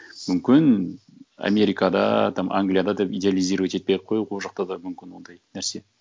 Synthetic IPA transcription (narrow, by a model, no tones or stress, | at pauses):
mʏmkʲɪn | a̰mʲe̞ɾijkɑd̪ɑ̰t̪ʰɑmʔaŋɡlʲijad̪ɑd̪epid̪ʲealʲˠijziɾwet̪e̞t̪̚pejqʰojuqʰolˠʒɑqt̪ɑd̪ɑmʏmkʲɪnwo̞nd̪ɑjnæɾse̞